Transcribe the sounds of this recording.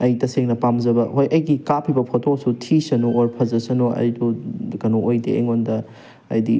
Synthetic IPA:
ɐjtɐseŋnɐpamzɐbɐhojʔɐjɡikapʰibɐpʰotʰosutʰisɐnoːɾpʰɐzɐsɐnoʔɐ̰jdukɐnoojdeeŋondɐː | jdi

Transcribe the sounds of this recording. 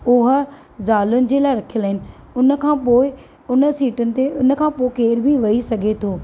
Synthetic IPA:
ʊɦə̆ | zaːlʊnɪ̆d͡ʑeːlaːɪɾɐkʰijəlːɦɪnɪ̆ | ʊnə̆kʰãːpoːɪ | ʊnəsiːʈʊnɪ̆t̪eʔʊnə̆kʰãːpoːɪkeːɾbʱiʋɐisɐɡʱet̪ʰoː

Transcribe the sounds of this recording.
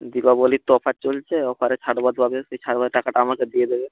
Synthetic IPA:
d̪ibabolit̪ɔpʰat͡ɕolt͡ɕʰeɔpʰaɾet͡ɕʰaʈbad̪bʱabeset͡ɕʰaɽbad̪ʈakaʈaamaked̪ijed̪ebe

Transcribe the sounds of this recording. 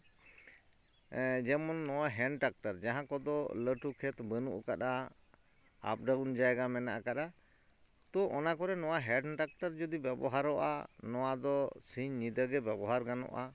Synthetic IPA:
d͡ʒɛmɔnːɔwaɦɛɳʈak̚ʈəɾd͡ʒaɦãkɔd̪ɔləʈukʰɛt̪bənṵʔkaɗa | a̰p̚ɖawnd͡ʒajɡamɛna̰ʔakaɗa | t̪ɔʔɔnakɔɾɛnɔwaɦɛɖʈak̚ʈəɾd͡ʒɔd̪ibɛbɔ̰ɦaɾɔʔa̰nɔwad̪ɔsiɲːid̪əɡɛbɛbɔɦaɾɡanɔ̰ʔa

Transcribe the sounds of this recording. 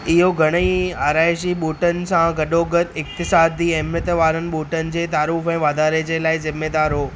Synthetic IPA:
ɪɦoɡʱɐɽ̃əiaːɾaːɪʃ̬iɓuːʈənɪ̆sãɡɐɗoɡət̪ɪk̚t̪ɪsaːd̪iɛɦmnət̪ʋaːɾənɪ̆ɓuːʈənɪ̆d͡ʑeːt̪aːɾuːfɛ̃ːʋaːd̪ʱaːɾed͡ʑeːlaːɪzɪmːeːd̪aːɾɦoː

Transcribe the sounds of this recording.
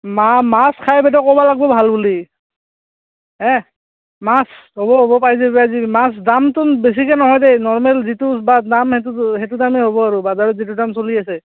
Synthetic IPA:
mamaskʰajbɛdɔkɔbalaɡ̚bɔbʱalbuli | ɦɛ̃ | mas | ɦobɔɦobɔpaɹiz̬ɛbazimas̬damtʊbes̬ikɛnɔɦɔjdejnɔɹmɛlzitusbadamhɛtuhɛtudameɦobɔaɹubazaɹɔzit̬udamsolias̬ɛ

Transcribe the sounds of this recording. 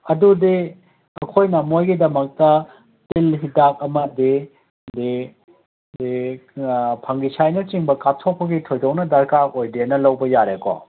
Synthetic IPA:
ɐdudi | ɐkʰojnɐmojɡidɐmɐk̚tɐ | tilɦidak̚ɐmɐdi | di | di | pʰɐŋɡisajnɐt͡ʃiŋbɐkatʰopʰːɐɡitʰojdownɐdɐɾkaojdenɐlɐwbɐjaɾeko̰

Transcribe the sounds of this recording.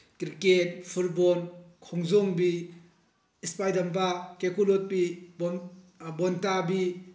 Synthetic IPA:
kɾiket̚pʰuɾbonkʰoŋzoŋbi | ispajdɐmpakekulot̚bib | bontabi

